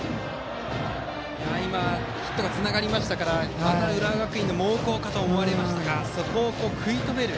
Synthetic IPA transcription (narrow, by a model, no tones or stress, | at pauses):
jaima | çi̥t̪ːo̞ɡat͡sɨnaɡaɾʲimaɕi̥t̪akaɾaanaɯ̟ɾaɡakɯ̟ĩnd̪omoːko̞ːkat̪oːmo̞βaɾe̞maɕi̥t̪aɡaso̞ko̞ːko̞ːkʰɯ̟it̪o̞be̞ɾɯ̟